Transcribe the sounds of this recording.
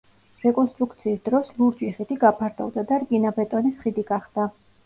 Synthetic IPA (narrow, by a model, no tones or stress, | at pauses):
ɾɛkʼɔnst̪ʼɾukʰt̪sʰiːsd̪ɾɔslˠuɾd͡ʒiχid̪iɡapʰaɾd̪ʰʼɔ̰vd̪ad̪aɾɡʼinabɛt̪ʼɔnisχid̪iɡaχd̪̥a